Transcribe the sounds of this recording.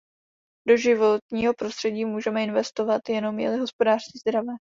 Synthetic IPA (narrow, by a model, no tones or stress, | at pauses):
do̞ʒɪvo̞t̪ɲiːɦo̞pɾo̞st̪r̥ɛɟiːmuːʒɛmɛɪnvɛst̪o̞vat̪jɛno̞mjɛ̰lɪɦo̞spo̞daːr̝̥sciːzd̪ɾavɛː